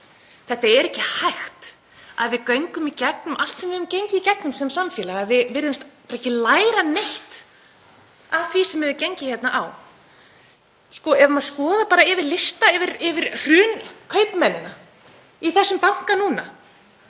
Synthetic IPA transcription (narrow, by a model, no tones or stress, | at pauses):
θɛht̪aɛɾɛhcːɪhajxt̪ | a̰ðvɪðkœɥŋkʏmicɛk̚nʏmʔal̥t̪sɛmvɪðʏmcejɲcɪicɛknʏmsɛmsamfɪːlaɣavɪðvɪɾðʏmst̪paɾɛcɪlaːjɾaneht̪ | avθʰvisɛmːvɛvɪcejɲcɪ̥çjɛt̪naʔaw | skɔɛvʏmaðskɔːðapaːɾaɪvɪɾlɪst̪aɪvɪɾɪvɪɾr̥ʏːnkʰœɥpmɛnːɪna | iθɛsːʏmpawŋ̥kanuːna